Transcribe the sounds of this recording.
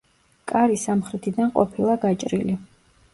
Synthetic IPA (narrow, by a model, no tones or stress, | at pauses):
kʼaɾisamχɾɛt̪ʰid̪anqʼɔpʰilˠaɡat͡ʃʼɾili